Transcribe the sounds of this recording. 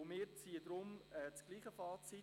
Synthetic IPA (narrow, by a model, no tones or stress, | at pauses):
mɪːɾt͡siəd̪ɾʊmɛːt͡sɡ̥liːχəfɑːt͡si